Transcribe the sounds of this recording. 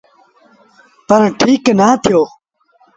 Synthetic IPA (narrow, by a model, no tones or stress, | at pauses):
t̪ɐɾʈʰiːknaːt̪ʰijoː